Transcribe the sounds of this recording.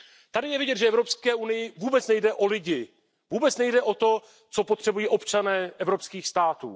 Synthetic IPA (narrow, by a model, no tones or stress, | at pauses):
t̪adɪjɛvɪɟɛt̪ʒɛɛvɾo̞pskɛːʔunɪjɪvuːbɛt͡snɛjdɛʔo̞lɪɟɪ | vuːbɛt͡snɛjdɛʔo̞t̪o̞ | t͡so̞pot̪r̥ɛbujiːʔo̞pt͡ʃanɛːʔɛvɾo̞pskiːxst̪aːt̪ṵː